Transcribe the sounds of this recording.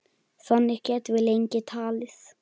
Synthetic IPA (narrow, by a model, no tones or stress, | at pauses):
θanːɪhcɛt̪vɪðlejɲcɪt̪ʰaːlɪθ